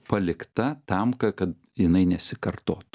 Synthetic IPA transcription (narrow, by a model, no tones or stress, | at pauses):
pɐlʲɪkt̪ɐt̪ɐmkɐkɐt̪ | jɪnɐɪnʲɛsʲɪkɐrt̪oːt̪ʊ̥